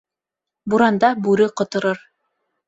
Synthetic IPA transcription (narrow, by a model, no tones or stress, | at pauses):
buɾɑnd̪ɑbʉɾɘqŏt̪ɤ̆ɾɤɾ